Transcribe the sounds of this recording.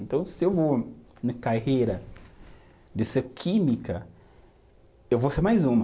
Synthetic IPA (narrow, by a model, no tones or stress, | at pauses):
nt̪ɐ̃w̃sɪewvonɐkaɦejɾɐ | d̪ɛsɐkʰimikɐ | ewvoseɾmajzũmɐ